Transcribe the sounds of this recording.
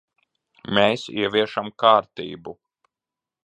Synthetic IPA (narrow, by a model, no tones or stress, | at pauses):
meːsḭɛvʲiɛʃamkaːɾt̪ḭːbu